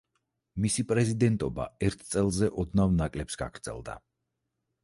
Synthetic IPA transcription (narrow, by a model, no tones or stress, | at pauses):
misipʼɾɛzid̪ɛnt̪ʼɔba̰ɛɾt̪ʰt̪sʼɛlˠzɛʔɔd̪navnakʼlɛpsɡ̥a̰ɡ̥ɾd̪z̥ɛ̰lˠd̪a̰